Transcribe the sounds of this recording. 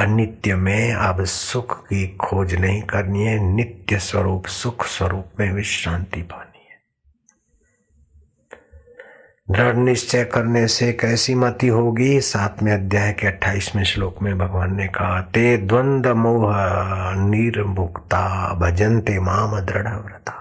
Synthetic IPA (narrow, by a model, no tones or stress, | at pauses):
ɐnɪt̪jəmẽɐbsʊkʰkikʰoːd͡ʒnɐɦĩkɐɾniɛ̃nɪt̪jəswɐɾuːpsʊkʰswɐɾuːpmẽʋɪʃãːnt̪ipaːniɛ | d̪ɾəɽnɪʃt͡ʃəjkɐɾnesekɛːsimɐt̪iɦoːɡisaːt̪ʰmẽɐd̪jaːɦjkeɐʈʰːaːiːsmẽʃloːkmẽbʱɐɡʋaːnːekat̪eːd̪wə̃nd̪əmoːɦəniːɾbʊkt̪aːbʱɐd͡ʒənt̪emaːməd̪ɾəɽɐʋɾɐt̪ḁː